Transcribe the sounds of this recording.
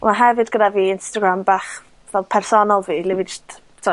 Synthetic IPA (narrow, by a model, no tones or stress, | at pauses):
maɦɛvɨdɡədaviːɪnstaɡɾambaːχ | vɛlˠpʰɛrsɔnɔlˠviːlˠɪvɨd͡ʒɪst | tʰɔ